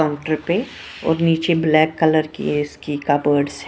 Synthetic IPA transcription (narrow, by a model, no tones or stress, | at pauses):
aʊ̃ɳʈəɾpe | ɔ̰ːɾniːt͡ʃeblɛːkːɐləɾkḭɪskikabəːɾɖsɦɛ